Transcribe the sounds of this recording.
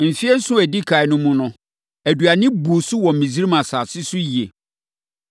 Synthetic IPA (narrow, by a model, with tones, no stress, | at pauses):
m̩˨fi˦ɛ˦n̩˦sʊ̃˦æ˨di˦kʰa˨ɪ˨nʊ̃˦mũ˦nʊ̃˦ | æ˨du˨a˨nɪ̃˦bu˨sʊ˦wɔ̃˨m˨mĩ˨zi˦ɾi˦mã˨saː˨sɪ˦sʊ˦ji˨e˨